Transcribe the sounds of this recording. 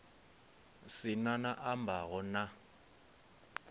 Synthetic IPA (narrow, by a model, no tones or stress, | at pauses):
sɪnanaʔambaɣɔna